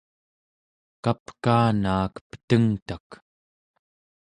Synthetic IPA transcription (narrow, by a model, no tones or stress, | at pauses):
kapkaːnaːkpə̥t̪əŋt̪ak